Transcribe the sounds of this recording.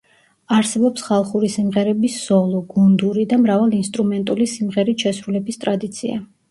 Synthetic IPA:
aɾsɛbɔpsχalˠχuɾisimʁɛɾɛbisz̥ɔlˠɔɡund̪uɾid̪amɾavalˠinst̪ʼɾumɛnt̪ʼulisimʁɛɾit̪ʃɛsɾulɛbist̪ʼɾad̪it̪sʰia̰

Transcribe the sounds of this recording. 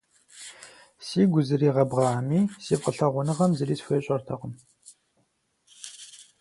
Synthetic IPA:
siːɡʷʊzɨriːʁɐbʁɑːmiːsiːpqəɬɐʁʷʊnɨʁɐmzɨriːsfʷeɕʼɐrtʰɐʁʷʊm

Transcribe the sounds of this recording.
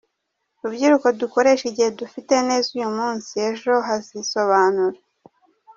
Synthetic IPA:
ɾubɟiɾuko̞duko̞ɾe̞ʃiɟihedufite̞ne̞ːzujumuːnsie̞ʒo̞ɦaziso̞βaːnuɾa

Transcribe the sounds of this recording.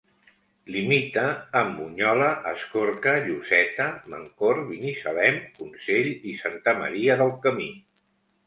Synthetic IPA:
limit̪əːmbuɲɔləʔəskoɾkəʎusɛt̪əmə̰ŋkoɾβinisəlɛmkunseʎisant̪əmə̰ɾiəðəlˠkəmi

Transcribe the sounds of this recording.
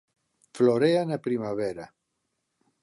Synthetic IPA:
floɾeanapɾimaβɛɾa

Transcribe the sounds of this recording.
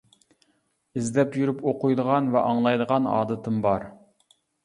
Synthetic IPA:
ɪzd̪ɛpjyɾypoqʊjd̪əʁɑnvɛʔɑŋlˠɑjd̪əʁɑnɑ̰ːd̪ɨt̪ʰɨmbɑɾ

